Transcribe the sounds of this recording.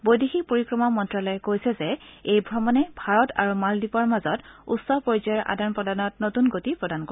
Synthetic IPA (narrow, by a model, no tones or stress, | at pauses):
bojdixik̚poɹikɹɔmɔmɔntɹalɔjɛkojsɛzɛejbʱɹɔmɔnɛbʱaɹɔta̰ɹumaldipɔɹmazɔtṵtsɔpɔɹizɔjɔɹʔa̰danpɹɔdanɔtnotunɡotipɹɔdanko